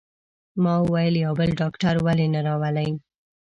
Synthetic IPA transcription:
mɑwajəljawbəlɖɑkʈaɾwalenaɾɑwalaj

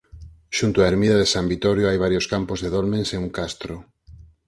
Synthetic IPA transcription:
ʃunt̪oaeɾmiðaðesambit̪oɾjoajβ̞aɾjoskampozðeðolmẽnseŋuŋkast̪ɾo

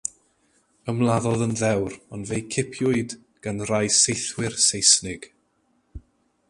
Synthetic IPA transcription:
əmlˠaðɔðənðɛwrɔnvejkʰɪpʰjʊɨd | ɡ̥anrajsejθwɪrsejsnɪɡ̥

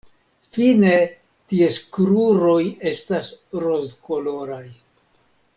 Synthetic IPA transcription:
fine̞ | tieskɾuɾo̞je̞stasɾozko̞lo̞ɾaj

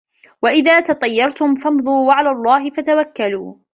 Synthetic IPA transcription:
waʔɪðaːt̪ɑt̪ˤɑjːɑɾˤt̪ʊmfɑmd̪ˤuːwaʕalaːlˤːɑːɦɪfat̪awakːaluː

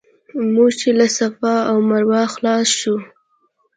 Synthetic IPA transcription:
muɡt͡ʃelasafɑawmaɾwɑxlɑsʃu

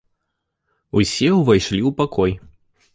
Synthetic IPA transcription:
usʲɛwvajʂlʲiwpakɔj

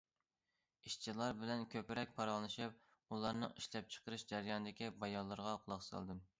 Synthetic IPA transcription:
iʃt͡ʃʰilˠɑɾbɪlɛnkʲʰøpɪɾɛk̚ʲpʰɑɾɑnˠɨʃɨp̚ | ulˠɑɾnɨ̰ŋiʃlɛp̚t͡ʃʰə̥qəɾɨʃd͡ʒæɾɨjɑnɨd̪ɪkʲibɑjɑlˠːɨɾʁɑqʰʊlˠɑχsɑ̰lˠd̪ɨm

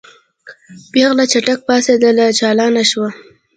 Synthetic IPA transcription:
beɣlat͡ʃaʈak̚pɑsed̪əlat͡ʃɑlɑnaʃwa

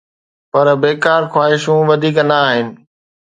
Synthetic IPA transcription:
pɐɾbeːkaːɾxwaːɦɪʃũʋɐd̪ʱiːknɐːɦɪnɪ̆

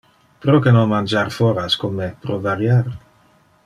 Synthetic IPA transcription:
pɾokenomand͡ʒaɾfoɾaskomːepɾovaɾjaɾ

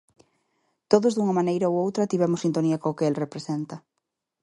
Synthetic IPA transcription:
t̪oðozðuŋɐmanejɾaoowt̪ɾɐt̪iβɛmosint̪oniɐkõokeelrepɾesent̪ɐ

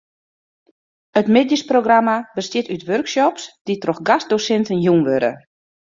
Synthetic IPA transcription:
ətmɪdjəsproɡramabəstjɪtytʋørksɔpsd̥itroxɡast̚dosɛntənjunʋøɾə̰

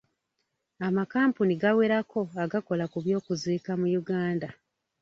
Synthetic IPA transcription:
amakaːmpuniɡaweɾako̞aɡako̞lakuβjo̞ːkuziːkamujuɡaːnda

